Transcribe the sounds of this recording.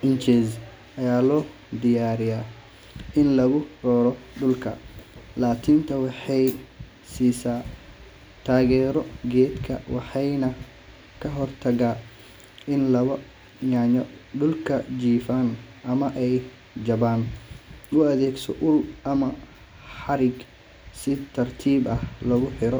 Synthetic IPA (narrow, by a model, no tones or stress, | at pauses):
ʔɪnt͡ʃɛːz | ɐjaːlɔː | d̪ɪjaːɾɪjaː | ʔɪnlɐɣʊrɔːɾɔɖʊlkʰɐ̰laːkʰiːnt̪ʰɐwɑħɑj | siːsaː | t̪ʰaːɣɛːɾɔɡɛːd̪kʰɐ̰wɑħɑjnɐ | kʰɐɦɔrt̪ʰɐɣaː | ɪnlɐβɐ | jaːɲɔɖʊlkʰɐd͡ʒiːfaːnʔɐmɐʔɛj | d͡ʒɐβaːn | ʊɐðɛːɡsɔ̰ʔʊlɐmɐ | ħɑɾɪɡ | sɪt̪ʰɐrt̪ʰiːbɐhlɐɣʊħɪɾɔ